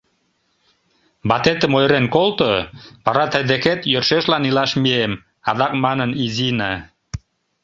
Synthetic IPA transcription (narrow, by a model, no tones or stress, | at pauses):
bɑt̪et̪əmojɾenkolt̪opɑɾɑt̪æjd̪eket̪jørʃeʃlɑnilɑʃmiem | ɑðɑk̚mɑnənizinɑ